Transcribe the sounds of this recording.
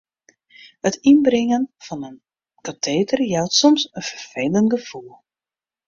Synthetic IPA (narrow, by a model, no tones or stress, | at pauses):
hətinbrɪŋənv̥ɑnən | katʰeːdərjɛwtsɔmsənv̥ərv̥ejləntɡəv̥ulˠ